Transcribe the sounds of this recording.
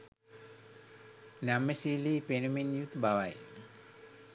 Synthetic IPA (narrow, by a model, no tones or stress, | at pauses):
namːəsiliːpenuminjut̪baʋaj